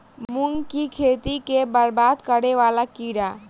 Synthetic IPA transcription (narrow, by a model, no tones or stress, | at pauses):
mʊŋkikʰet̪ikebəɾbaːd̪kəɾeʋaːlakiːɽa